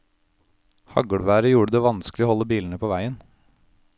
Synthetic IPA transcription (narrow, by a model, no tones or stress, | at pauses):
hɑ̰ɡɔɽʋæːɾəjuːɽəd̪eːʋɑnsklɪoːhɔlːəbiːln̩əpʰoːʋæɪən